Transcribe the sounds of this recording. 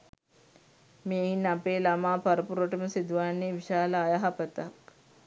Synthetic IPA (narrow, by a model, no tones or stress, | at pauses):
meːɦinɐpeːlɐmaːpɐɾɐpuɾoʈɐmɐsid̪ʋaːneːʋiʃaːlɐːjaɦɐpɐt̪ak